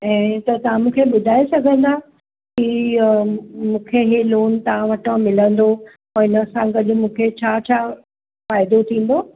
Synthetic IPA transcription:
ɛ̃ːt̪ɐt̪ɐʋ̤ãmũːkʰeɓʊd̪ʱaːesɐɡʱə̃nd̪a | ki | mũːkʰeɦeloːnt̪ɐʋ̤ãʋɐʈə̃mɪlə̃nd̪o | ɪnəsãɡɐɗʊ̆mũːkʰet͡ɕʰaːt͡ɕʰaː | faːɪd̪ot̪ʰĩːn̆d̪o

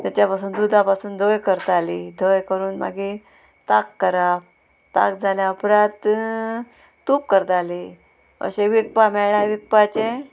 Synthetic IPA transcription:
t̪at͡ɕjapasuːnd̪ud̪ʱapasuːnd̪ʱojkəɾt̪alid̪ʱəjkəɾuːnma̰ɡi | t̪akːəɾap | t̪a̰k̚d͡zʱaljaəpɾãt̪ | up̚kəɾt̪ali | ə̰ɕeʋik̚pamɛɭajʋik̚pat͡ɕe

